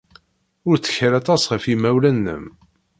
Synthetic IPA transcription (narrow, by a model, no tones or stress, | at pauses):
ʊɾt͡sːə̥çɾɑt̪ˤɑsʁəfimæwlænːə̰m